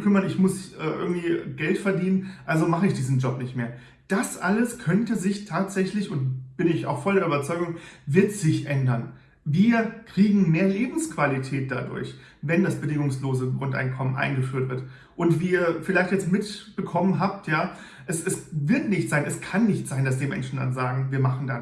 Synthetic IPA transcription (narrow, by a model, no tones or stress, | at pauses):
kʰʏmɐnɪçmʊsʔɛːʔɪ̰ɐɡŋ̩tv̥iːɡɛltfɛɐdiːnənʔalzomaχəɪçd̥iːzn̩d͡ʒɔpnɪçtmḛːɐ | d̥asʔaləskʰœntəzɪçtʰaːtz̥ɛçlɪçʊntb̥ɪnɪça̰ʊxfɔldɛɐʔybɐt͡sɔʏɡʊŋvɪɐtz̥ɪçʔɛndɐn | viːɐkʁ̥iːɡŋ̩meːɐleːbm̩skv̥alitʰɛːt̚d̥a̰dʊ̰ɐç | vɛndasb̥ədɪŋʊŋsloːzəɡʁʊnta̰ɪnkʰɔmənʔa̰ɪnɡəfyːɐtv̥ɪɐt | ʔʊntv̥iːɐfɪlaɪçtjɛt͡stmɪtb̥əkʰɔmənɦaːp̚tʰjaː | ʔɛsɛsvɪɐtnɪçtz̥aɪnʔɛskʰanːɪçtz̥aɪndasd̥iːɐmɛ̰nʃn̩da̰nzaːɡŋ̩viːɐmaχn̩dan